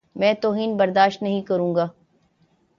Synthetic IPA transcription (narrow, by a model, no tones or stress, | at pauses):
mɛ̃ːt̪oːɦiːnbɐɾd̪aːʃt̪nɐɦĩkɐɾũːŋɡaː